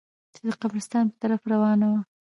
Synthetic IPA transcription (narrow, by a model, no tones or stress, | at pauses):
t͡ʃed̪əqamɾɪst̪ɑnpə̥t̪aɾafɾawɑnawa